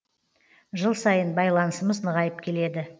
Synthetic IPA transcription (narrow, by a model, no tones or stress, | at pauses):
ʒəlˠsɑjənbɑjlˠɑnəsəməznəʁɑjəpkʲʰe̞le̞d̪ɪ